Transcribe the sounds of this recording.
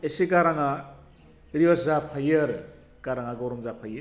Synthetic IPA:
eseɡaɾaŋa | ɾiwaszapʰajɯɾ | ɡ̥aɾaŋaɡoɾɔmzapʰajɯ

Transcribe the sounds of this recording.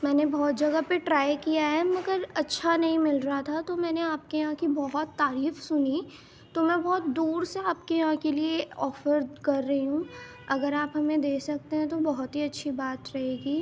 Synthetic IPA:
mɛːnebɔːt̪̚d͡ʒɐɡəpeʈɾaːjkijaɦɛmɐɡəɾɐtːʃʰanɐɦĩmɪlɾɐɦat̪ʰat̪omɛːneaːp̚kejɐɦãkibɔɦɔt̪ːaːɾiːfsʊni | t̪omɛ̃bɔːt̪d̪uːɾseaːp̚kejɐɦãkelieɔːfəɾkɐɾːɐɦiɦũ | ɐɡəɾaːpɦɐmẽd̪eːkʰsɐk̚t̪eɦɛ̃t̪obɐɦʊt̪ɦiɐtːʃʰibaːt̪ɾɐɦeːɡiː

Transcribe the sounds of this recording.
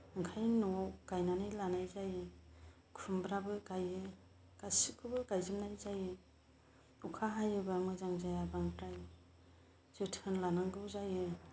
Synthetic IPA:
ɯŋkʰajnɔawkajnanɯjlanajzajɯ | kʰumbɾabɯkajɯ | kasikʰɯbɯɡajzɯmnajzajɯ | ukʰaɦajɯbamɯzaŋzajabaŋbɾaj | z̥ɯtʰɯnlanaŋɡɯwzajɯ

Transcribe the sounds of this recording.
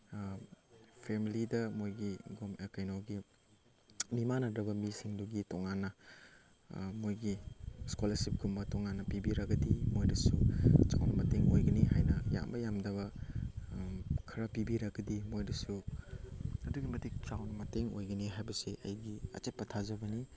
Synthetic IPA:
pʰemilidɐmojɡiɡomekajnowɡi | mimanɐdɾɐbɐmisiŋduɡitoŋanːɐ | mojɡiskolɐɾsip̚ɡumbɐtoŋanːɐpibiɾɐɡɐdimojdɐsut͡ʃa̰wnɐmɐteŋojɡɐniɦajnɐja̰mbɐjamdɐβɐ | kʰɐɾɐpibiɾɐɡɐdimojdɐsu | ɐduɡimɐtik̚t͡ʃawnɐmɐteŋo̰jɡɐniɦajbɐsiʔɐ̰jɡiɐ̰t͡ʃet̚pɐtʰazɐbɐni

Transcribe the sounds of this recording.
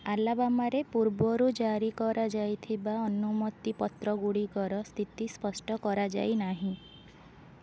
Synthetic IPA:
alabamaɾepuɾbɔɾud͡ʒaɾikɔɾad͡ʒajt̪ʰibaɔnumɔt̪ipɔt̪ɾɔɡuɽikɔɾɔst̪ʰit̪ispɔsʈɔkɔɾad͡ʒa̰jnaɦĩ

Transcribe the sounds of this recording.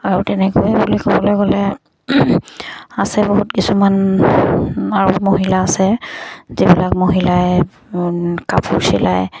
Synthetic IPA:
aɹutɛnɛkoɛbulikɔbɔlojkɔlɛ | asɛboɦutkisuman | aɹumoɦilaːsɛzibilak̚moɦilaj | kapʰusilaj

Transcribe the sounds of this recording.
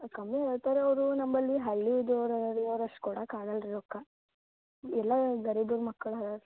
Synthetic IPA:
kɐmːieɭt̪aːɾeɐʋɐɾunɐmbɐlːiɦɐɭːid̪oɾɐɾoːɾɐʂʈkuːɽakaːɡɐlɾiɾɔkːa | ɛlːɐɡɐɾid̪uːɾmɐkːɐɭaɐɾ

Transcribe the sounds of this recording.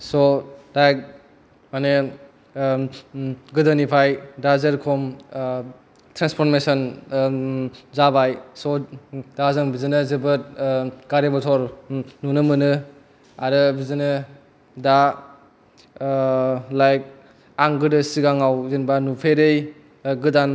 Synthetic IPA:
sɔlajk̚ | mane | ɡɯdanipʰajdazɯɾkʰɔm | tɾanspʰɔɾmesɔn | zabajsɔdazɯŋbizɯnɯzɯbɯt̚ɡ̥aɾebɔtʰɔɾnunɯmɯnɯ | aɾɯbizɯnɯ | da | lajk̚ | aŋɡɯdɯsiɡaŋawzenbanupʰeɾɯj | ɡɯdan

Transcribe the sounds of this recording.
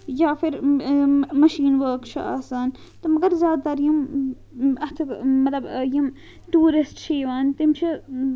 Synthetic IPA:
jaːfiɾ | mɐʃiːnʋəːkt͡ʃʰia̰ːsaːn | t̪ɐmɐɡɐɾzjaːd̪t̪ɐɾjim | ɐt̪ʰikmːɐt̪lɐbjim | ʈuːɾisʈt͡ʃʰiːʋaːnt̪imt͡ʃʰi

